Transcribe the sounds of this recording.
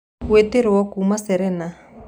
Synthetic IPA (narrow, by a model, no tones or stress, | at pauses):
weteɾɪwɔkumasɛɾɛna